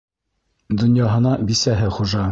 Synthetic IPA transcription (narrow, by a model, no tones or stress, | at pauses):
d̪ŏnjɑɦɤ̆nɑbisæɦɘχuʒɑ